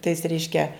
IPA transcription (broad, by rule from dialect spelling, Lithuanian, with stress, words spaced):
tɐɪs ˈrʲɛɪʃʲkʲɛ